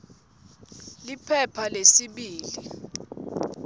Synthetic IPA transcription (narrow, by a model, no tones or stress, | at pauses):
lipʰɛpʰalesiɓiːli